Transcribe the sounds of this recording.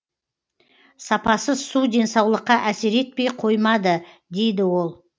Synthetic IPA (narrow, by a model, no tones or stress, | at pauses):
sɑpɑsəsud̪e̞nsɑwlˠəqːɑʔæseɾe̞t̪̚pe̞jqʰo̞jmɑd̪ə | d̪e̞jd̪ɪwo̞lˠ